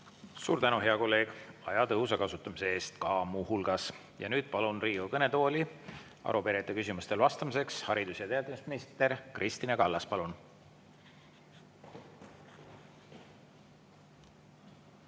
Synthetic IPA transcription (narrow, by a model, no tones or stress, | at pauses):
suːɾt̪ænuɦe̞ɑko̞lːe̞ːɡ̥ɑjɑt̪ɤwsɑkɑsut̪ːˑɑmise̞e̞ːst̪kɑːmuːhulɡ̥ɑs | jɑ̰nyːd̪̥̚pɑlunriːukɤne̞t̪o̞ːlʲi | ɑ̰ɾupe̞ɾet̪ːˑekysimust̪e̞lvɑst̪ɑmise̞kshɑɾid̪̥usjɑt̪eæːld̪imisminist̪e̞ɾkrʔist̪inɑkɑlːɑspɑlun